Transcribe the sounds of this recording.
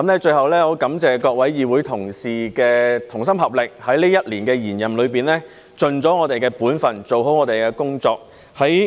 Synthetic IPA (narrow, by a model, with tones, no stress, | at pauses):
kɐ˨˦mnlɛː˥t͡ʃɵ˧hɐ˨wlɛː˥jɔ˨˧kɐ˨˥mt͡sɛː˨˧kɔː˧k̚wɐ˨˥jjiː˨˧wuː˨˥jt̪ʰʊ˨˩ŋsiː˨˩kɛː˧t̪ʰʊ˨˩ŋsɐ˥mɦɐ˨˩p̚lɪ˨k̚hɐ˨˥jliː˥jɐ˥t̚liː˨˩nkɛː˧jiː˨˩njɐ˨mlɵ˨˧ɥpiː˨nlɛː˥ | t͡sɵ˨nt͡sɔː˨˥ŋɔː˨˧t̪e˨jkɛː˧puː˨˥nfɐ˨˩nt͡so˨wɦo˨˥wŋɔː˨˧t̪e˨jkɛː˧kʊ˥ŋt͡sɔː˧k̚ | hɐ˨˥j